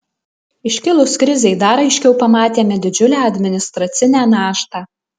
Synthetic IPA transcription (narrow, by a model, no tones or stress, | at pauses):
ɪʃʲkʲɪlˠʊskɾʲɪzʲɛɪd̪ɐɾɐɪʃʲkʲɛʊpɐmɑːt̪ʲeːmʲɛd̪ʲɪd͡ʒʲʊlʲæːɐd̪ʲmʲɪnʲɪst̪ɾɐt̪sʲɪnʲæːnɑːʃt̪ɑː